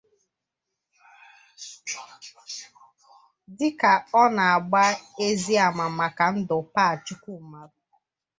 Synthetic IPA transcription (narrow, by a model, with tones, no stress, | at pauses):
dɪ˦ka˨ɔ˦na˨a˨ɡ͡ba˦e˦zi˦a˨ma˨ma˨ka˨n̩˦dʊ˨pa˦a˨t͡ʃʊ˦ku˦˨ma˨ɾʊ˦